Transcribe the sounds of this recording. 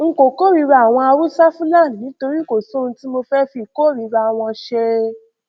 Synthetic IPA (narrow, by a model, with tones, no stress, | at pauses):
ŋ̩˦ko˨ko˦ɾi˧ɾa˧a˨w̃ɔ̃˧a˧ɾu˦sa˦fũ˦lã˦˨nĩ˨ĩ˨˦to˧ɾi˦ko˦˨so˦˧ũ˧ti˦mo˧fɛ˦fi˧˨ko˦˨ɾi˨˧ɾa˧˨w̃ɔ̃˧ʃe˧